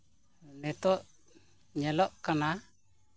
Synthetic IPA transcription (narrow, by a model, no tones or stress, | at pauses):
nɛt̪ɔʔ | ɲɛlɔʔkana